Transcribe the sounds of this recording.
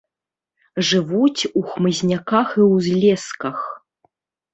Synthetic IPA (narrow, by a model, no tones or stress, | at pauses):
ʐɨvut͡sʲuxmɨzʲnʲakaxiwzʲlʲɛskɐx